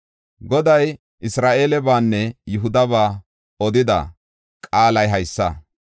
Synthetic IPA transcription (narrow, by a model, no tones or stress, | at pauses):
ɡɔd̪ɐj | ʔɪsɾaːʔe̞ːlɛbaːnːɛjʊɦʊd̪ɐβaː | ɔd̪ɪd̪ɐ̰ | kʼaːlɐjɦɐjsːɐ